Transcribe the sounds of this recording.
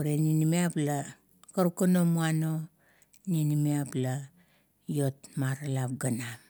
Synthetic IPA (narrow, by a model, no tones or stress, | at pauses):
uɾeninimiapla | kaɾukano̞muano | ninimiapla | jo̞tmaɾalap̚ɡanam